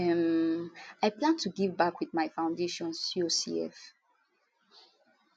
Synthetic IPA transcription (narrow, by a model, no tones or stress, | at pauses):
ɛm | aɪplãntʰuɡivbakwiðmaɪfãʊ̃ndeʃɔ̃nsiosḭɛ̰f